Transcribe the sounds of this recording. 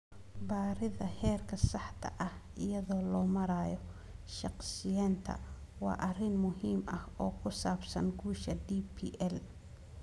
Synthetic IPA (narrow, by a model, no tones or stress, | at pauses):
baːɾɪðɐhɛːrkʰɐsɑħt̪ʰɐ̰ʔɐhʔɪjɐðɔːlɔːmɐɾaːjɔ | ʃɑqsɪjɛːnt̪ʰɐ̰wɑ̰ːʔɐrɪnmʊɦiːmɐhɔːkʰʊsaːbsɐ̰nɡuːʃɐd̪iːpʰiːʔɛl